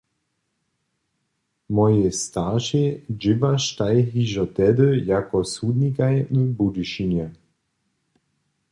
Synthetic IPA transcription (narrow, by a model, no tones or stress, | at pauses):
mɔjest̪aʁʃed͡ʒivaʃt̪ajɦiʒɔt̪ɛd̪əjakɔsud̪nikajnəbud̪uʃinjɛ